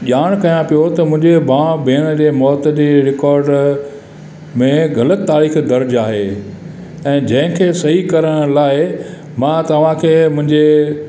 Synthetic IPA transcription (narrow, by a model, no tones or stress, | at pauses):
ʄaːɽ̃kɐjãpijot̪ɐmʊ̃ɦɪ̃ɲd͡ʑebãːbʱeːnə̆d͡ʑeːmɔːt̪əd͡ʑeːɾɪkɔːɾɖ | mẽɣɐlət̪ːaːɾiːxd̪ɐɾd͡ʑaːɦeː | ɛ̃ːd͡ʑɐ̃ɦɪ̃kʰeːsɐɦikɐɾəɽ̃laːɪ | mãːt̪ɐʋ̤ãkʰeːmʊ̃ɪ̃ɲd͡ʑe